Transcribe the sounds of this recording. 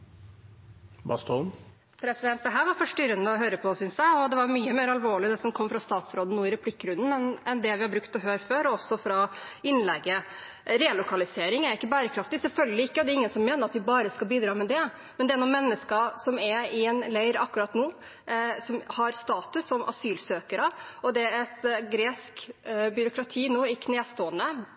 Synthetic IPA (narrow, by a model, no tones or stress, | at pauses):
bɑ̰st̪ʰɔlm | pʰɾɛsɪd̪ɛnt̪d̪ɛɦæːɾʋɑɾfɔʂʈʏɾənəɔɦøːɾəpʰɔsʏnsjæɪɔd̪ɛʋɑɾmyːəmeːɾɑlʋoːɭɪd̪ɛsɔmkʰɔmːfɾɑst̪ɑːt̪sɾoːd̪ənuːɪɾɛpʰlɪkːɾʉnd̪ən̩ɛnɛnd̪ɛʋɪhɑbɾʉkt̪ɔɦøːɾføːɾɔɔsːɔfɾɑɪnːlɛɡːə | ɾɛlʊkɑlɪseːɾɪŋæɾɪkːəbæːɾəkʰɾɑft̪ɪsɛlfœlɡəlɪɪkːəɔd̪ɛɾɪŋːənsɔmːeːnəɾɑt̪ʋɪbɑːɾəskɑbiːd̪ɾɑːmɛd̪ɛ | mɛnd̪ɛæɾnuːmɛnːəskɑsɔmɛɪɛnlæɪɾɑkːʉɾɑt̪nuː | sɔmhɑɾst̪ɑːt̪ʉsːɔmʔɑ̰syːlsøːkəɾəɔd̪ɛɛsɡɾeːskbʏɾʊkʰɾɑt̪ʰiːnuːɪkʰneːst̪oːənə